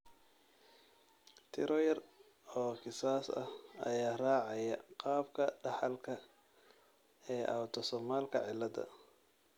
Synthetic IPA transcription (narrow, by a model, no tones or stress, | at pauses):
t̪ʰɪɾɔjɐr | ɔːkɪsaːsɐhɐjaːraːʕɑjɐqɑːb̚kʰɐɖɑħɑlkʰɐ | ɛːʔɐwt̪ʰɔsɔmaːlkʰɐ̰ʕɪlːɐðɐ̰